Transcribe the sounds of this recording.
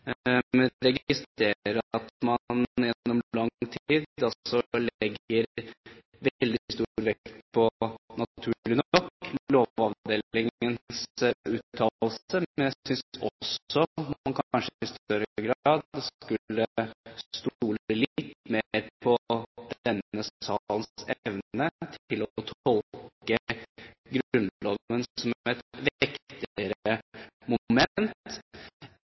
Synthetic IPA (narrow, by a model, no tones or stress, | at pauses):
mɛɾɛɡɪst̪ɾeːɾəɾəɑt̪mɑnjɛnːɔmlɑŋt̪ʰiːd̪ɑsɔlɛɡəɾ | ʋɛld̪ɪst̪uɾʋɛkt̪pʰɔnɑt̪ʰʉːɭɪnɔɾkloːɑʋd̪eːlɪŋənsʉːt̪ʰːɑːlsəmɛnjæɪsʏnɔsɔmɑnkʰɑnʂəɪst̪œɾəɡɾɑːd̪skʉlːəst̪uːləlt̪meɾpʰɔd̪̥ɛnːəsɑlənsɛʋnət̪ʰɪlɔt̪ʰɔlkə | ɡɾʉnlɔənsɔmɛt̪ʋɪkt̪t̪ɪəɾəəmʊmɛnt̪